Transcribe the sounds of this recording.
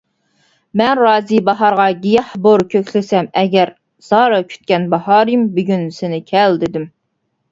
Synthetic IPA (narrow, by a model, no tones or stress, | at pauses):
mɛnɾɑːzibɑɦɑɾʁɑɡʲijɛhboɾkʲʰøkʰʲlɪsɛmɛɡʲɛɾ | z̥ɑːɾɑkʲʰy̥t̪̚kʲɛnbɑɦɑːɾɨmbyɡʲynsɪnɪkʲʰɛld̪ɪd̪ɪm